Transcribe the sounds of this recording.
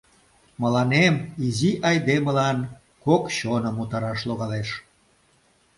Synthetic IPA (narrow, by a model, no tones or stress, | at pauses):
məlɑnemiziʔɑjd̪eməlɑn | kokɕonəmut̪ɑɾɑʃloɣɑleʃ